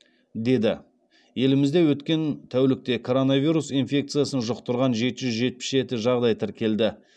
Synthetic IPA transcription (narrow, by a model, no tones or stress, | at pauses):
d̪e̞d̪ɪ | je̞lɪmɪzd̪e̞wɵt̪kʲe̞nt̪ʰæwlɪk̚t̪e̞kʰo̞ɾo̞navʲiɾusinfʲe̞kt̪sɨjasənʒoqt̪ʊɾʁɑnʒe̞t̪ɪʒʏzʒe̞t̪̚pɪ̥sʒe̞t̪ɪʒɑʁd̪ɑjt̪ʰɪɾkʲʰe̞ld̪ɪ